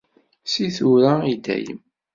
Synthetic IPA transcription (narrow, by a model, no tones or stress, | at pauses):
siθuɾaid̪æ̰jə̰m